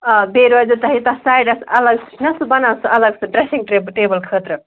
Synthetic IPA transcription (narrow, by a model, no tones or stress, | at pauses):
beɾad͡ʒut̪ɐɦit̪ɐsajɖɐsɐləɡsnɐsbɐnasʔɐləɡsɨɖɾesiŋɡʈebʈebəlkʰəːt̪ɾə